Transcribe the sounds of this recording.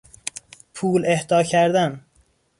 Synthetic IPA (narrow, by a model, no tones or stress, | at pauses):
pʰuːlehd̪ɒːcʰæɾd̪æn